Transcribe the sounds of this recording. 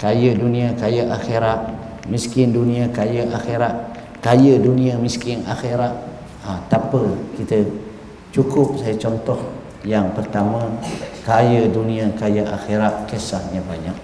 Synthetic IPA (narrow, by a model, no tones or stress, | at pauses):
kajədunĩakajəʔaxeɾat̪̚ | miskɪndunĩakajəʔaxeɾaʔ̪̚ | kajədunĩəmiskɪna̰xeɾat̪̚ | at̪apəkit̪ə | t͡ʃukʊp̚sajat͡ʃɔnt̪ɔh | jaŋpərt̪amãkajədunĩakajaʔa̰xeɾat̪̚kesahɲabaɲak̚